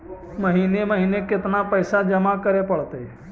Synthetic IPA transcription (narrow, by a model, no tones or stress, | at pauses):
məɦiːneməɦiːnekɪt̪napəɪsad͡ʒəmakəɾepəɽt̪eɦɛ